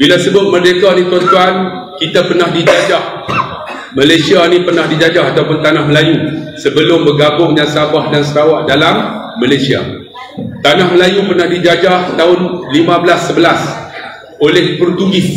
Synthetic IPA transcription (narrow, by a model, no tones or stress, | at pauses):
bilasəbʊt̪̚mədekanit̪ant̪uan | kit̪apərnahdid͡ʒad͡ʒah | malajsianĩpərnahdid͡ʒad͡ʒahat̪awpʊnt̪anahməlajusəbəlʊmbəɡabʊŋjaŋsabahdansəɾawaʔdalamː | alasia̰ | t̪anahməlajupərnahdid͡ʒad͡ʒaht̪aʊnlimãbəlasːəbəlas | olɛhpəɾut̪uɡɪs